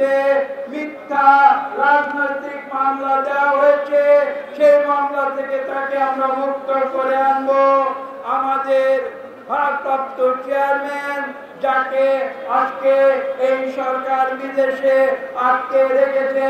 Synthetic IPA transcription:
emit̪ʰːaɾad͡ʑʱnojt̪ɾikmamlad̪eaɦojet͡ɕʰeʃejmamlat̪ʰeket̪akeamɾamuk̚t̪okoɾeanbo | amad̪eɾ | bʱat̪apt̪ot͡ʃeaɾmen | d͡ʑakead͡ʒkeejʃɔɾkaɾbid̪eʃeaʈk̪eɾeket͡ɕʰe

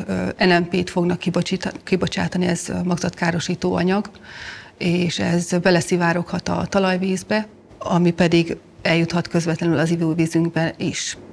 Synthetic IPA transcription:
ɛnɛmpeːt̪fo̞ɡnɒkːib̪kːibo̞t͡ʃaːt̪ɒniɛzmɒɡzɒt̪kaːɾo̞ʃiːt̪oːɒɲɒɡ | eːʃɛzbɛlɛsivaːɾo̞khɒt̪ɒ̰t̪ɒlɒjviːzbɛ | ɒmipɛd̪iɡ | ɛljut̪hɒt̪kø̞zvɛt̪lɛnylɒzivuːviːzyŋɡbɛniʃ

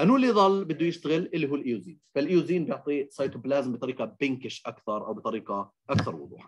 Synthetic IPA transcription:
ʔanuːlːiðˤɑlːbɪd̪ːujɪʃt̪aɣɪlːʔɪlːiɦuːlʔijuziːnfalʔijuziːnbjɪʕt̪ˤisˤɑjt̪ʊblaːzmbɪt̪ˤɑɾiːqɑbɪnkɪʃʔakθɑɾˤʔa̰wbɪt̪ˤɑɾiːqaʔakθɑɾˤwʊ̰ðˤṵːħa

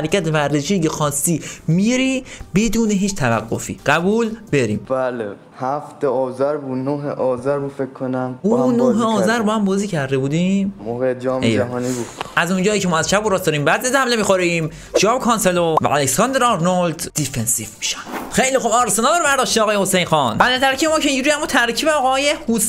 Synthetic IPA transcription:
hæɾecæt̪evæɾzeʃicexɒːst̪iːmiɾiːbe̞d̪uːneɦiːt͡ʃt̪ʰævæ̰ɡːofḭːɢæbuːlb̥eɾḭːmbæle | hæft̪eɒːzæɾbunoɦeʔɒːzæɾbuːd̪fekʰːonæmunoɦeɒːzæɾbɒːhæmbɒːziːcʰæɾd̪ebuːd̪immohed͡ʒɒːmejæɦɒːnibu̥ʔæzund͡ʒɒːiːcʰemɒːæzʃæboɾɒːsd̪ɒːɾiːmbæd̪ezhæmlemixoɾim | d͡ʒɒːbkʰɒnselovæ̰ʔæleksɒnd̪ɾɒnold̪d̪ifensivmi̥ʃæ̥nd̪̥xejlixobɒːɾesenæd̪ɒːɾbæɾd̪ɒːʃt̪iɒːɣɒːjehosejnxɒnbælet̪ʰæɾkʰiːbemɒːkʰeĩːɲd͡ʒuːɾiːæmut̪ʰæɾkʰiːbeɒːɣɒːjehos

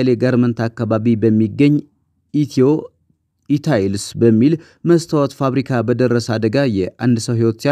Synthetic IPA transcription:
leɡaɾmənt̪ʰakːaβaβibəmːiɡːəɲː | t̪ʰo | it̪ʰaelsbəmːil | məst̪ʰawɔt̪faβɾikʰabəd̪ərːəsad̪əɡajɛʔand̪səwɦiwot̪sa

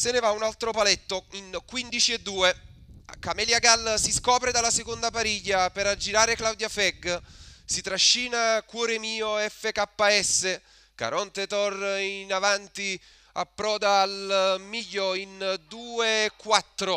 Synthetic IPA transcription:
senevaunalt̪ɾopalɛt̪ːoinkwind̪it͡ʃied̪ːuːekamɛljaɡalsiskɔːpɾed̪alːasekond̪apaɾiʎːapeɾad͡ʒːiɾaːɾeklawd̪jafɛɡsit̪ɾaʃːiːnakwɔːɾemiːoɛfːekapːaɛsːe | ka̰ɾɔnt̪et̪ɔrinavant̪i | a̰pːɾɔːd̪aːlmiʎːoind̪uːekːwat̪ːɾo

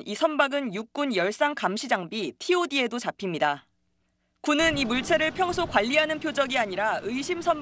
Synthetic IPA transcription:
isʰʌnbaɡɯnjuk̚k͈unjʌɭs͈aŋkamɕʰid͡ʑaŋbitʰiodie̞dot͡ɕapʰimɲida | kunɯnimuɭt͡ɕʰe̞ɾɯɭpʰjʌŋsʰokwaʎːiɦanɯnpʰjod͡ʑʌɡiaɲiɾaɯjɕʰimsʰʌn

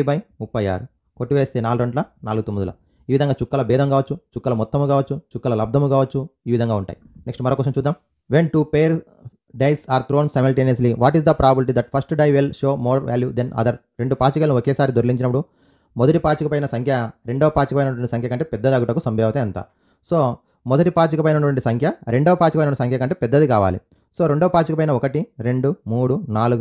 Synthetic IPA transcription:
bɐjupːɐja̰ːɾ | koʈːiʋeːst̪eːnaːluɾeɳɖlɐna̰ːluɡut̪omːid̪ulɐ̰ | iːʋid̪ɐŋɡaːt͡ʃukːɐlɐbɛːd̪ɐmkaːʋɐt͡ʃːut͡ʃukːɐlɐmɔt̪ːɐmukaːʋɐt͡ʃːut͡ʃukːɐlɐlɐb̚d̪ʱɐmukaːʋɐt͡ʃːuiːʋid̪ʱɐŋɡaːuɳʈa̰ːjineksʈmɐɾoːkːɔːʂɐmt͡ʃuːd̪ːaːm | ʋeɳʈupeːɾ | ɖejsaːɾt̪ʰɾo̞ːnsɐjmɐlʈeːniɐsliʋaːʈizd̪ɐpɾaːbɐbilʈ̬id̪ɐʈ̚pʰɐsʈɖɐjʋelʃo̞ːmoːɾʋʔa̰ːljud̪enʔɐ̰d̪ɐɾɾe̞ɳɖupaːt͡ʃikɐlɐniɔkeːsaːɾid̪oɾliɲt͡ʃinɐpːuɽu | mɔd̪ɐʈipaːt͡ʃikɐpɐjnɐsɐŋkʰjɐɾe̞ɳɖoːɐpaːt͡ʃikɐpɐjnɐʈʋɐɳʈisɐŋkʰjɐkɐɳʈeːpɛd̪ːɐd̪aːɡuʈɐkusɐmbjɛːʋt̪eːɐnt̪a̰ː | soː | mɔd̪ɐʈipaːt͡ʃikɐpɐjnɐɐʈʋɐɳʈisɐŋkʰjɐɾe̞ɳɖoːɐpaːt͡ʃikɐpɐjnɐisɐŋkʰɐkɐɳʈeːpɛd̪ːɐd̪ikaːʋa̰ːlḭ | so̞ːɾe̞ɳɖoːɐpaːt͡ʃikɐpɐjnɐɔkɐʈiɾe̞ɳɖumuːɽunaːluɡu

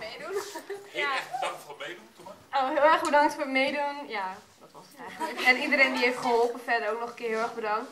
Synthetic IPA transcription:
mejdunjaomedunoɦɪlˠɛrχbədaŋktfoːəmeːdunja | ɛɛnidəɾejndiɦejftχəɦɔlˠpəfɛɹdəɾowk̚nɔχənkɪːɦɪlˠɛɹχbədɑŋt

